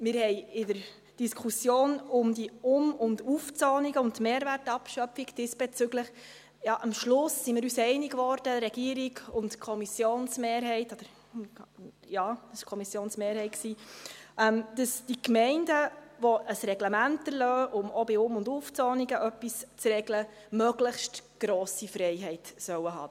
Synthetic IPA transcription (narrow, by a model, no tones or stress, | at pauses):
mɪːɾhɛɪɪdəɾ | d̥iskʰusjoːnʊmdiʊmʊnduft͡sɔːniɡəʊntmeːɾværtɑpʃœpfiɡd̥ɪsb̥et͡sʏɡləχ | jɑːʔɑmʃlʊsːimɪːɾyːsɛɪniɡvɔɾd̥əɾɛɡ̥iːəɾiɡʊntkʰɔmisjoːnsmeːɾɦɛɪtɔd̥əɾ | jɑ̥ːsɪʃkʰɔmisjoːnsmeːɾhɛɪt̚ksiːʔɛmd̥əsd̥ikmɛɪndəvɔʔəsɾɛɡləmæntəɾlœːʔʊmʔɔbɪʊmʊnduft͡sɔːniɡəʔœpːist͡sɾɛɡlə | mœɡləχʃtɡ̥ɾɔːsifɾɛɪɦɛɪtsœwəɦɑ̰ː